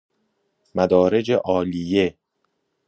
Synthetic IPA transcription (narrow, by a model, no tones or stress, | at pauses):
mæd̪ɒːɾe̞d͡ʒeʔɒːlije